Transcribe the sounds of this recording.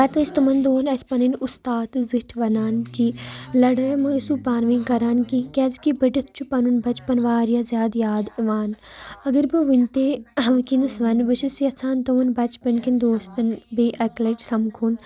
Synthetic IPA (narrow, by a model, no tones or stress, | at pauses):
bɐt̪ɐst̪umɐnd̪oːnɐspɐninust̪aːt̪ɨziʃʈʰʋɐnaːnkilɐɽɐmɐsupaːnʋinkɐɾaːnkikʲɛːzkibɐʈɐt̪̚ʰt͡ʃʰupɐnunbɐt͡ʃpɐnʋaːɾjaːzjaːd̪jaːd̪ʋaːnɐɡɐɾbɨʋint̪eːɐʋkinɐsʋɐnbɨʃisjɐsʰaːnt̪umɐnbɐt͡ʃpɐnkind̪oːst̪ɐnbeʔɐklɐʈsɐmkʰuːn